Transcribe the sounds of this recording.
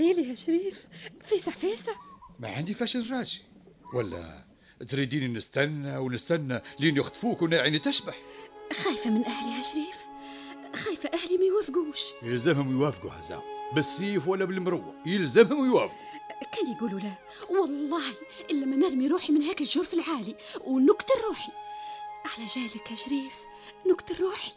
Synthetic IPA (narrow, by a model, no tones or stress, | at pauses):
eːliɦæʃɾiːffæːsəʕfæːsəʕma̰ʕand̪ifæʃəlrˤɑʒi | wælːæ̰ | t̪ɾid̪ininəst̪ænːawnəst̪ænːælinjəxt̪fukwnaʕinit̪æʃbaħxæjfamɪnʔæhlihæʃɾiːf | xæːjfæʔæhlimæjwæfɡuːʃjəlzəmhʊmjwæfɡṵhæ̰zæ̰wbəsːiːfwælːæbəlmɾʊwːa̰jəlzəmhʊmwjwæfɡukæːnjɡuːlula | wɑlˤːɑːhi | ʔɪlːæmænæɾmiɾuːħimɪnɦæːkɪʒʊɾˤfɪlʕaːliwnʊkt̪rˤːuːħi | ʕalæʒæːlɪkhæʃɾiːf | nʊkt̪ɑrˤːuːħi̥